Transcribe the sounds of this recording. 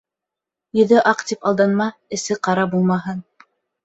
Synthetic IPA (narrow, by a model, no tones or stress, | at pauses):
jɵ̆ðɵʔɑqt̪ipɑlˠd̪ɑnmɑɘ̆sɘqɑɾɑbulˠmɑɦɤn